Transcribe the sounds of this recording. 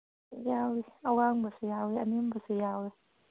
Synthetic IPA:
jawiawaŋbasijawiamimbasijawi

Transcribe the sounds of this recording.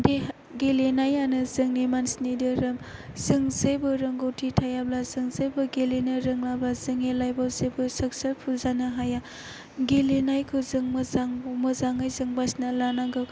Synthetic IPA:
de | ɡelinajːanɯzɯŋnimansnidɯɾɯmz̥ɯŋzejbɯɾɯŋɡowtʰitʰajablazɯŋzejbɯɡelinɯɾɯŋlabazɯŋelajbawzebɯsɐk̚sɐɾpʰulzanɯɦaja | ɡelinajkʰuzɯŋmɯzaŋmɯzaŋajzɯŋbasnalanaɡɯw

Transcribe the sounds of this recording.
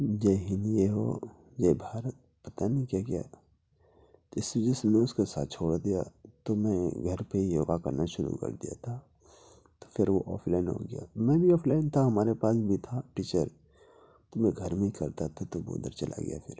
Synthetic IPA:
d͡ʒɛɦɪnijeɦo̰ | d͡ʒɛːbʱaːɾət̪̚pɐt̪anikjaɡɐja̰ | t̪oɪsed͡ʒɪsm̃ʊskosa̰ːt̪̚t͡ʃʰoːɽd̪ija̰t̪omɛ̃ɡʱɐɾpeijoːɡakɐ̰ɾnaʃʊɾṵkɐ̰ɾd̪ija̰t̪ʰa | t̪o̥fɪɾʋoʔɔ̰ːpʰlaːɪnɦo̰ɡɐja̰mɛ̃ːbʱiɔːpʰlaːɪnt̪ʰaɦɐmaːɾepaːsbʱit̪ʰaʈiːt͡ʃəɾ | t̪omɛ̃ɡʱɐɾmẽɦikɐɾt̪at̪ʰat̪obo̰ːd̪ə̰ɾt͡ʃɐlʔa̰ɡɪ̰ja̰fʰɪɾ

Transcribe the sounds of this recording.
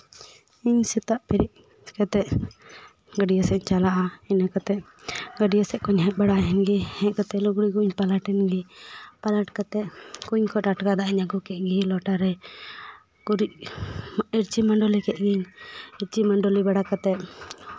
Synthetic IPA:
iɲsit̪aʔpɛɾiʔ̚ | kat̪ɛʔ | ɡəɖijɔsɛt͡ʃalaʔainakat̪ɛʔ | ɡəɖijɔsɛʔ̚kɔɲɦɛt̪̚baɽaɦɛnɡihɛʔkat̪ɛluɡɽikuɲpalaʈɛnɡipalaʈkat̪ɛʔkuɲkʰɔʈaʈkad̪aʔiɲaɡukɛʔ̚ɡilɔʈaɾɛ | ɡuɾiʔ̚ | iɾt͡ʃimaɳɖɔlikɛʔ̪̚ɡiɲiɾt͡ʃimaɳɖɔlibaɽakat̪ɛʔ

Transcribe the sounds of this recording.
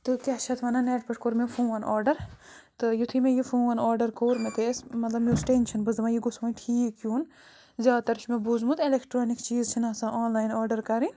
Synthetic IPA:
t̪ɨkʲaʃʰɐt̪ʰʋɐnaneːʈbɐʈʰkoɾmefũːʋɐnʔaːɾɖɐɾ | t̪ɨjut̪ʰimẽjifũːʋɐnaːɾɖɐɾkoːɾmet̪esmɐt̪lɐbmisʈenʃɐnbɨzd̪ʋãːjiɡʊsʋaːʈʰiːkjuːn | zʲjaːd̪t̪ɐɾt͡ʃʰmebuzmut̪elekʰʈɾoːnikt͡ʃiːzt͡ʃʰinaːsãʔaːnlaːjnaːɾɖɐɾkɐɾĩ

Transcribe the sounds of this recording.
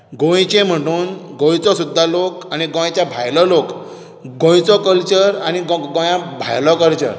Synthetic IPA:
ɡõt͡ɕẽm̤əʈuːnɡõjt͡sɔsud̪ʱːalokaniɡɔ̃jãt͡ɕjabʱajlɔlok | ɡõjt͡sɔkəlt͡ɕəɾaniɡɡɔ̃jãbʱa̰jlɔkəlt͡ɕə̰ɾ

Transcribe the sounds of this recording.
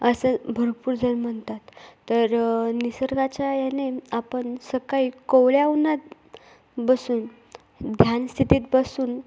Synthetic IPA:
əsəbʱəɾpuːɾd͡zəɾməɳt̪at̪ːəɾnisəɾʋat͡ɕajaneapəɳsəkaikowljaunat̪ | bəsuːn | d̪ʱjanst̪ʰit̪iːt̪̚bəsuːn

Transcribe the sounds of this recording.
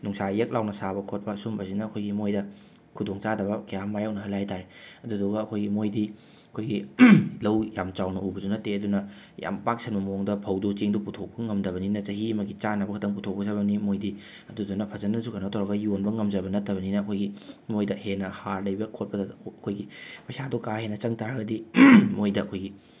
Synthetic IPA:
nuŋsajek̚lawnɐsabɐkʰot̚pɐːsumbɐsinɐːkʰojɡimojdɐ | kʰudoŋt͡ʃadɐβɐkɐjamajok̚nɐɦɐlajtʰaɾeɐduduɡɐːkʰojɡimojdi | ɐkʰojɡilɐwjamt͡ʃawnɐubɐzunɐteɐdunɐ | ja̰mpak̚sʰɐnbɐmoŋdɐpʰɐwdut͡ʃiŋduputʰok̚pɐŋɐmdɐβɐninɐt͡ʃɐɦiɐmɐɡit͡ʃanɐbɐkʰɐtɐŋputʰok̚pɐzɐβnimojdi | ɐduɐdunɐpʰɐzɐnːɐsukɐnɐtʰowɾɐɡɐjonbɐŋɐmd͡ʒɐbɐnɐtːɐbɐninɐːkʰojɡimojdɐhenɐhaɾlɐjbɐkʰot̚pɐdɐɐkʰojɡipɐjsadukaɦenɐt͡ʃɐŋtaɾɐɡɐdimojdɐɐkʰojɡi

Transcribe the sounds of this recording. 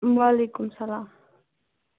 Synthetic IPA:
mwalikʊmsalaːm

